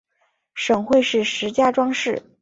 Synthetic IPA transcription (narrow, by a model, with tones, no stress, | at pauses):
ʂɤ˨˩ŋxwe˥˧ɪʂɻ̩˥˩ʂɻ̩˧˥t͡ɕja˥ʈ͡ʂwɑ˥ŋʂɻ̩˥˩